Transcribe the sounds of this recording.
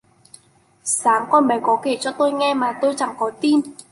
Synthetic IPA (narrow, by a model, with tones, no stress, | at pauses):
saː˨˦ŋkɔː˧nɓə˨˩˦jkɔ˨˦ke˧˩t͡ɕɔ˧t̪o˧jŋɛ˧maː˨˩t̪o˧jt͡ɕa˨˧˩ŋkɔ˨˦t̪i˧m